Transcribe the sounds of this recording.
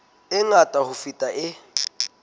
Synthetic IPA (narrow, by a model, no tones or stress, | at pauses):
ɛŋatʼahufitʼaʔɛ